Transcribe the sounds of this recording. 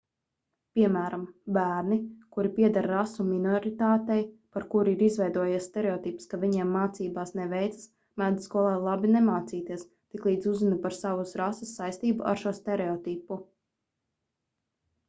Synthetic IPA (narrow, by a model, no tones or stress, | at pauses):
pʲiɛmæːɾambæːɾnikuɾipʲiɛd̪aɾɾasuminɔɾit̪aːt̪ɛjpaɾkuɾiɾizvɛjd̪uɔjasst̪ɛɾeɔt̪ipskavʲiɲɛmːaːt̪siːbaːsnɛʋɛjt̪sɨ̥s | mæd̪skuɔlˠaːlˠabinemaːt̪siːt̪iɛs | t̪iklˠiːd̪zuzunupaɾsavusɾasisːajst̪iːbṵʔa̰ɾʃuɔst̪ɛɾeɔt̪ipu